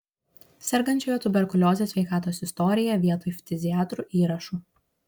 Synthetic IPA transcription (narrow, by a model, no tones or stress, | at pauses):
sʲɛɾɡɐnʲt͡ʃʲoːjɛt̪ʊbʲɛɾkʊlʲoːzʲesʲʋʲɛɪkɑːt̪oːsɪst̪ɔɾʲɪjɛʋʲiɛt̪oːfʲt̪ʲɪzʲɪjɑːt̪ɾuʔiːɾɐʃuː